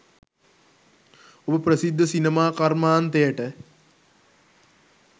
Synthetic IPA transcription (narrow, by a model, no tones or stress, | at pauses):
obəprəsid̪ʱːəsinemaːkarmaːnt̪ejəʈə